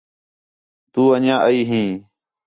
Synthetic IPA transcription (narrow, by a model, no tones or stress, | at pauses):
t̪uːəɲãːʔəiːɦĩː